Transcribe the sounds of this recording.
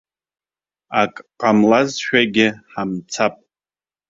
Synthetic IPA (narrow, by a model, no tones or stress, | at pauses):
akʼqʼamlazʃᶣaɡʲɪħamt͡sʰapʼ